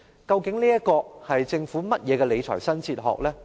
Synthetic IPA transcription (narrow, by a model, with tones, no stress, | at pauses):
kɐ˧wkɪ˨˥ŋliː˥jɐ˥t̚kɔː˧hɐ˨jt͡sɪ˧ŋfuː˨˥mɐ˥t̚jɛː˨˧kɛ˧le˨˧jt͡ʃʰɔ̰ː˨˩jsɐ˥nt͡sʰiː˧t̚ɦɔ̰ː˨k̚lɛː˥